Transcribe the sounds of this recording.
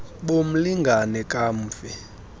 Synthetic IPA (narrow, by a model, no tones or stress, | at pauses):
ɓom̩liŋɡʱanɛkʼam̩ːfɛ